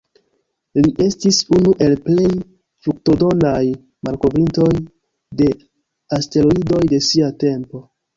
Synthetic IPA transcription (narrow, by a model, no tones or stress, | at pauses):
liʔe̞stisunuʔe̞lple̞j | fɾuk̚to̞do̞naj | malko̞bɾinto̞j | de̞ | aste̞loido̞jde̞siate̞mpo̞